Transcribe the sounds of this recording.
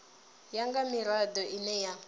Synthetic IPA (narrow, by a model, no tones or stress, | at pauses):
jaŋɡamiɾad̪ɔʔinɛja